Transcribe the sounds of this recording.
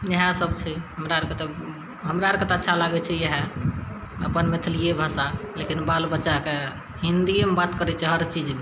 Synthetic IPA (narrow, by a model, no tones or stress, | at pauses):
jəɦãsəbt͡ʃʰɛɦəmɾaɾket̪ɔ | ɦəmɾaɾket̪ətːʃʰalaɡɛt͡ʃʰɛjɦa | ə̰pənmet̪ʰliebʱasalekinbalbətːʃake | ɦind̪iemebat̪kəɾɛt͡ʃʰɛɦəɾt͡ʃid͡ʒ